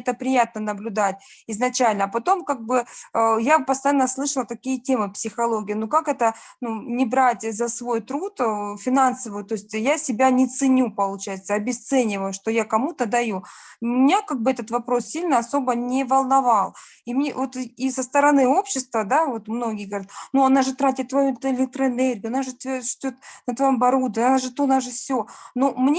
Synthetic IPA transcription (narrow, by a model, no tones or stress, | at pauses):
t̪əpɾʲɪjat̪̚nənəblʲʊd̪at̚ʲ | ɪznɐt͡ɕælʲnəːpɐt̪o̞mkaɡ̚bɨəjapəst̪ɐjanːəslˠɨʂəlˠət̪ɐkʲijətʲe̞mɨpsʲɪxɐlˠo̞ɡʲɪjnukakɛt̪ə | nunʲɪbɾatʲzɐsvo̞jt̪ɾut̪fʲɪnansəvɨjt̪o̞sʲtʲjasʲɪbʲanʲɪt̪sɨnʲupəlˠʊt͡ɕæjɪt̪səɐbʲɪst̪sɛnʲɪvəjʊʂt̪o̞jakɐmut̪əd̪ɐjumɪnʲakaɡ̚bɨɛt̪ət̪vɐpɾo̞ssʲilʲnəɐso̞bənʲɪvɐlˠnɐvɑlˠ | imnʲḛvo̞t̪isəst̪əɾɐnɨo̞pɕːɪst̪vəd̪avo̞t̪mno̞ɡʲɪjəɡəvɐɾʲat̪nuɐnaʐɨt̪ɾatʲɪt̪̚ːvɐjut̪ɪlʲɪk̚t̪ɾəɪnɛrɡʲːɐnaʐɨt̪ʂt̪ʲot̪̚nət̪vɐjombɐɾud̪vəɐnaʐɨt̪unaʐɨfsʲonomnʲ